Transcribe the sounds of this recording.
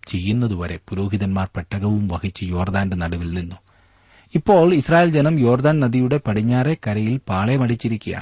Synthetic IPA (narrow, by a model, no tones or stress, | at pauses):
t͡ɕe̞jːunːɐðuʋɐɾe̞̰puɾo̞ːɦiðɐnmaːrpeʈːɐɣɐʋumʋɐɣit͡ɕːɨjo̞ːrd̪aːndɨnɐɽɐʋilninːu | ipːo̞ːɭisraːjeːld͡ʑenɐmjo̞ːrd̪aːnnɐðijuɽe̞pɐɽiɲːaːre̞kɐɾɐjilpaːɭemɐɽit͡ɕːiɾikʲːuja̰ː